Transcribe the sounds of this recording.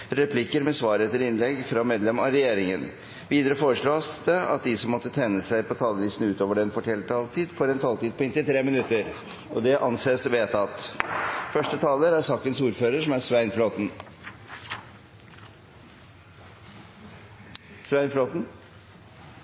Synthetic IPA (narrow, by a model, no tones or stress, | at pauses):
ɾɛpʰlɪkəɾmɛsʋɑːɾet̪əɾɪnlɛɡːfɾɑmeːd̪lɛmɑɾɛjeːɾɪŋən | ʋiːd̪əɾəfoːɾəʂɭoːsd̪əɑ̰t̪̚d̪ɪsɔmːɔt̪ːət̪ʰɛnːəsæɪpʰɔt̪ʰɑːləlɪst̪nʉːt̪oːʋəɖɛnfɔʈʰɛlt̪ʰɑːlt̪ʰiːd̪fɔɾɛnt̪ʰɑːlt̪iːd̪̚pʰɔɪnt̪ɪt̪ʰɾeːmɪnʉt̪ːəɾ | ʔɔd̪ɛʔɑnseːsʋeːt̪ʰɑt̪ | fœʂʈət̪ʰɑːləɾæɾsɑːkənsuːɾføːɾəʂɔmæɾʂʋæɪnfloːt̪n̩ | sʋæɪnfloːt̪n̩